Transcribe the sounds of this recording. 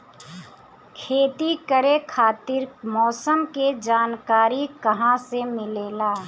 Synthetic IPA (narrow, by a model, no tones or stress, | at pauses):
kʰeːt̪ikəɾekʰaːt̪ɪɾmɔːsəmked͡ʒaːnkaːɾikɐɦãsemɪleːlaː